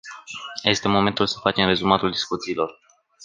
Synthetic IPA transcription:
je̞st̪e̞mo̞me̞nt̪ulsə̥fat͡ʃe̞mre̞zumat̪uld̪iskut̪siːlo̞r

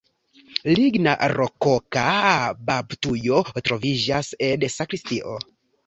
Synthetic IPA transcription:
liɡna̰ɾo̞kokababtujo̞tɾo̞vid͡ʒasedsakɾistiʔo̰

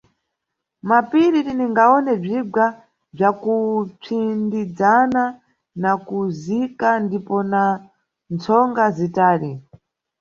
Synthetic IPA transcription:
mapiɾiɾiniŋɡaɔnɛb͡ʐiɡa | b͡ʐakup͡fʰindid͡zana | nakuzikandipɔna | nt͡sʰɔŋɡazitaːɾi

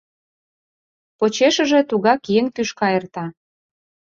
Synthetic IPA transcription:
pot͡ɕeʃə̆ʒe̽t̪uɣɑkjeŋt̪yʃkɑert̪ɑ

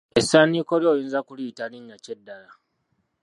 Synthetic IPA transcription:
ʔɪsaːniːkʷɔɾoːjɪnzakʷuɽiːtanɪnːat͡ʃɛdːaɾa

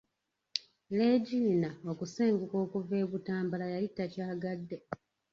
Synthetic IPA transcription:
le̞ːɟiːnao̞kuseːŋɡuko̞ːkuve̞ːβutaːmbalajalitːacaːɡadːe̞

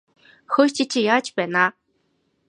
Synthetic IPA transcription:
xot͡ɕit͡ɕijaːt͡ɕpæːna

